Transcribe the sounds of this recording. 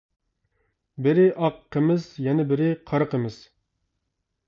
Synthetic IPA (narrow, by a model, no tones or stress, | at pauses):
bɪɾɪʔɑqːəmɪzjɛnɛbɪɾɪqʰɑɾəqəmɪz̥